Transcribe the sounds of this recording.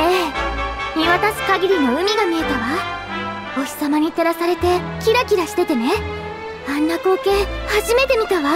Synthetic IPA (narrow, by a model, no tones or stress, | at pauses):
eː | mʲiβat̪asɨ̥kaɡʲiɾʲino̞ɯ̟mʲiɡamʲie̞t̪aβa | o̞ɕʲi̥samaɲ̟it̪eɾasaɾe̞t̪e̞kʲiɾakʲiɾaɕi̥t̪e̞t̪e̞ne̞ | anːako̞ːke̞ːhaʑime̞t̪e̞mʲit̪aβa